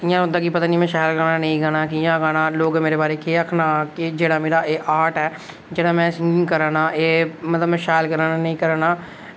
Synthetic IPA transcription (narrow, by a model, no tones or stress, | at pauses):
ɪjãːɦʊ̃nd̪aːkɪpət̪aːnĩːmɛ̃ːʃaːjɪlkəɾnaːnə̃ĩːɡaːɽ̃aːkɪjãːɡaːɽ̃aːloːɡmeːɾeːbaːɾeːkeːakʰnaːkɪd͡ʒeːɽaːmeːɽaːʔeːʔaːʈɛː | d͡ʒeːɽaːmɛ̃ːsɪŋɪ̃ŋkəɾãːnaːʔeːmət̪ləbmɛ̃ːʃaːjɪlkəɾaːnanẽĩːkəɾaːnaː